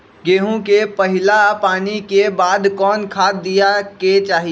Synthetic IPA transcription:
ɡeːɦũkepɐɦɪlapaːnikebaːd̪kɔːnkʰaːijaket͡ʃaːɦi

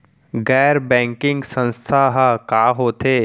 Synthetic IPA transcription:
ɡɛːɾbɛ̃ːŋkɪ̃ŋɡsə̃nst̪ʰaɦəkaːɦoːt̪eː

